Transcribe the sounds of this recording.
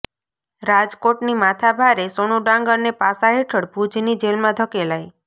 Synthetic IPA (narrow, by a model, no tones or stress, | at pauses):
ɾad͡ʒkoʈnimat̪ʰabʱaɾesoñuɖãŋɡəɾnepasaɦeʈʰəɽbʱud͡ʒnid͡ʒelmãd̪ʱəkelaj